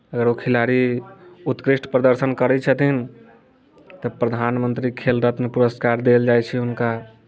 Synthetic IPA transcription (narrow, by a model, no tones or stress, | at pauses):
əɡəɾokʰilaɾiut̪kɾiʃʈʰpɾəd̪əɾsənkəɾɛt͡ʃʰət̪in | t̪əpɾəd̪ʱanmənt̪ɾikʰelɾət̪mepuɾəskaɾd̪eld͡ʒajt͡ʃʰɛɦunka